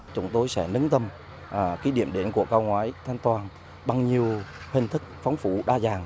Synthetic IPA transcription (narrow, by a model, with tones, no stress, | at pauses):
t͡ɕʊ˨˦ŋ͡mt̪o˧jsɛ̰˧˥˩nɨ˨˦ŋt̪ə˧m | ʔːki˨˦ɗḭ˧˩əmɗe˨˧˩nku˧˩əkaː˧wŋwaː˨˦jt̪ʰa˧jŋ̟t̪waː˨˩n | ɓa˨˩ŋɲi˨˩əwhï˨˩ŋ̟t̪ʰɨ˦˥k̚fa˨˦wŋ͡mfṵ˧˩ɗaː˧zaː˨˩ŋ